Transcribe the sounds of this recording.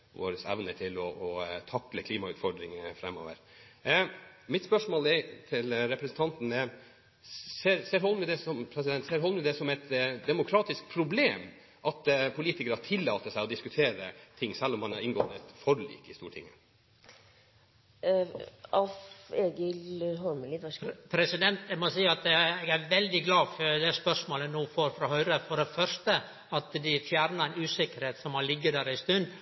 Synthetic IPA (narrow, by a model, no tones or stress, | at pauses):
ʋo̰ːɾəsæ̰ʋnəʈʰɪlɔʔɔt̪ʰɑkləkʰliːmɑʉːt̪fɔɖɾɪŋfɾɛmːo̰ːʋə̰ɾ | mɪt̪spœʂmoːlɛt̪ʰɪlɾɛpɾɛsn̩t̪ʰɑnt̪n̩ɛ | seːɾseːɾɦɔlmʉd̪ɛsɔmpʰɾɛs̬ɪd̪ɛnt̪seːɾɦɔlmʉd̪ɛsɔmɛɪt̪d̪ɛmʊkʰɾɑːt̪ɪsk̚pʰɾʊbleːm | ʔɑt̪pʰʊliːt̪ɪkəɾəɑʈʰɪlːɑːt̪əsæɪɔd̪ɪskʉt̪ʰeːɾət̪ʰɪŋːsɛlːɔmːhɑnɑɾɪŋɡɔɛt̪fɔɾɭḭːkɪst̪ṵːʈʰɪ̰ŋːə | ɑfeːɡəlɦɔɾməlɪʋɔpʰɾɛsɪd̪ɛnt̪ɛmɔsiːəɑt̪ɛɛɡæɾʋɛld̪ɪɡlɑːfd̪ɛspœʂmoːlənuːfoːɾfɾɑːhœʏɾəfɔɖɛfœɾst̪ə | ɑt̪d̪ɪfjæːɾnəɾɛnʉːsɪkːəɾheːt̪sɔmːɔlɪɡːəd̪æɾæɪst̪ʉnd̪